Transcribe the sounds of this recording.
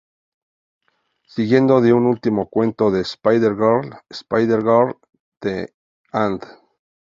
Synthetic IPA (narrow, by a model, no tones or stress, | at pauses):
siɣje̞nd̪o̞ðeunult̪imo̞kwe̞nt̪o̞ðespajðeɾɣaɾespajðeɾɣaɾ | d̪̥e | and̪